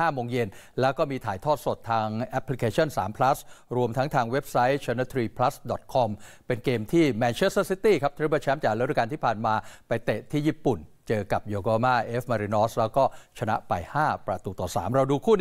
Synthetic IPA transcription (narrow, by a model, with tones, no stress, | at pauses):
aː˥˩moː˧ŋje˧nlɛː˦˥wkɔː˥˩miː˧t̪ʰaː˩˦jt̪ʰɔː˥˩t̪̚so˨˩t̪ʰːaː˧ŋʔɛ˦˥pʰːli˦˥kʰeː˧t͡ɕʰɔ˥˩nsa̰ː˩˦mpʰla˦˥sɾu˧əmt̪ʰa˦˥ŋt̪ʰaː˧ŋwe˦˥p̚sa˦˥jt͡ɕʰaː˧na˦˥t̪ʰɾiː˧pʰla˦˥sdɔ˨˩t̪̚kʰɔ˧mpe˧nkeː˧mt̪ʰiː˥˩mɛː˧nt͡ɕʰe˦˥ssi˦˥t̪iː˥˩kʰa˦˥p̚t̪ʰːba˧˩t͡ɕʰɛ˦˥mt͡ɕaː˨˩k̚lt̪ɾʰka˧nt̪ʰiː˥˩pʰaː˨˩nmaː˧pa˧jt̪e˨˩ʔt̪ʰiː˥˩jiː˥˩pu˨˩nt͡ɕɤː˧ka˨˩p̚joː˧ɡɔː˧maː˥˩ʔeː˦˥fma˧ɾi˧nɔː˦˥slɛː˦˥wkɔː˥˩t͡ɕʰa˧na̰˦˥pa˧jhaː˥˩pɾa˧t̪uː˧˩t̪ɔː˨˩sa̰ː˩˦mɾa˧wduː˧kʰuː˥˩n